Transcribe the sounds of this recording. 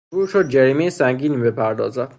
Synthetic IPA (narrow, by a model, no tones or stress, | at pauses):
buːɾʃod̪̚d͡ʒæɾiːmejesæŋɡiːniːbepʰæɾd̪ɒ̰ːzæd̪̥